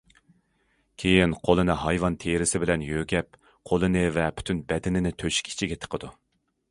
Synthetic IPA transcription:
kʲʰejinqʰolˠɨnɨɦɑjvɑnt̪ʰeɾɪsɪbɪlɛnjøɡʲɛp̚ | qʰolˠɨnɨvɛpʰy̥t̪ʰynbɛd̪ɪnɪnɪt̪ʰøʃi̥kʲʰi̥t͡ʃʰiɡʲɛt̪ʰə̥qʰəd̪u

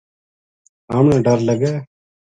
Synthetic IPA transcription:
aːmnãːɖəɾləɡɛː

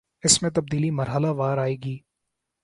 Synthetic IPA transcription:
ɪsmẽt̪ɐb̚d̪iːlimɐɾɦəlaʋaːɾaːeːɡiː

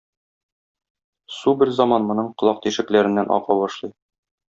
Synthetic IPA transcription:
subɘɾzɑmɑnmŏnɤɴqŏlˠɑq̚t̪iʃɘ̆klæɾɘ̆nːænʔɒ̰qɑbɒʃlˠɤj

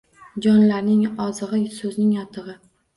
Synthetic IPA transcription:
d͡ʒɒnlaɾnɪŋɒzɨʁɨsɵznɪŋjɒt̪ʰɨʁɨ

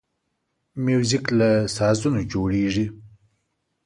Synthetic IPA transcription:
mjuːziklasaːzunod͡ʒoːɽeːʐi

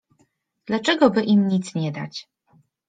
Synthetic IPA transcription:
d̪̥lat͡ʂɛɡɔbɘʔimɲit̪sɲɛd̪a̰t͡ɕ

